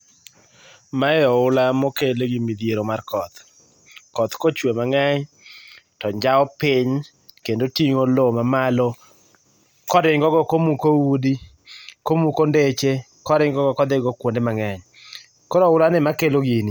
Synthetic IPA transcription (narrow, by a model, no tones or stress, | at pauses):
maɛɔʊlamɔkeloɡimid̪ieɾomarkɔt̪ | kɔt̪kot͡ʃwemaŋɛɲ | tɔɲd͡ʒaɔpɪɲ | kendotiŋolomamalɔ | kɔɾɪŋɡɔɡɔkomukowudi | komukondet͡ʃe | kɔɾɪŋɡɔɡɔkɔd̪ɪɡɔkwondemaŋɛɲ | kɔɾɔʊlanɪmakeloɡini